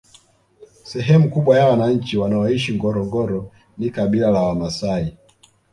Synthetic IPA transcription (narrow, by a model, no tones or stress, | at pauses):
sɛɦɛmukuɓwajawanaɲ̩t͡ʃiwanaɔiʃiŋɡɔɾɔŋɡɔɾɔ | nikaɓilalawamasai